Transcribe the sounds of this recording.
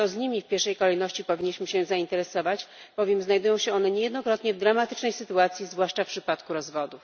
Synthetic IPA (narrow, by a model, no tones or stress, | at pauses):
t̪ɔzɲimʲifpʲjɛɾʂɛjkɔlɛjnɔɕt͡ɕipɔvʲiɲːiɕmɘɕɛ̃zaint̪ɛɾɛsɔvat͡ɕb̥ɔvjɛmznajd̪ujɔ̃w̃ɕɛɔnɛɲɛjɛd̪nɔkɾɔt̪ɲɛvd̪ɾamat̪ɘt͡ʂnɛjsɘt̪uat̪sʲjizvwaʂt͡ʂafpʂɘpat̪kuɾɔzvɔd̪uf